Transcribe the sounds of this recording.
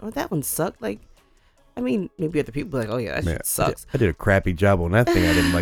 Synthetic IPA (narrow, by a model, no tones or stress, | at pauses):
ðɨʔ̚wʌ̃nsʌk̚laɪk̚ | aɪmĩnmeɪbiʌðə˞pʰipl̩ˠbilaɪkoʊjæ̰ðæ̰tsjæʌ̰tssʌ̰̥ksaɪdɨɾɨkʰɹ̥æpid͡ʒɑb̃nɨt̪θɪ̃ŋaɪɾɪdⁿn̩laɪ